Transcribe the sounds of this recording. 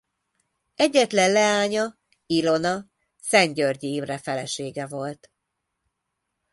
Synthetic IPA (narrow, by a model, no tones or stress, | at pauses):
ɛɟːɛt̪lɛnlɛaːɲɒ | ilo̞nɒ | sɛɲɟørɟijimrɛfɛlɛʃeːɡɛvo̞lt̪